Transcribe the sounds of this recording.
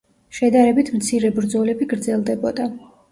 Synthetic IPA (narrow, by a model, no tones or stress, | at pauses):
ʃɛd̪aɾɛbit̪ʰmt̪sʰiɾɛbɾd̪zɔlɛbiɡɾd̪zɛlˠd̪ɛbɔd̪a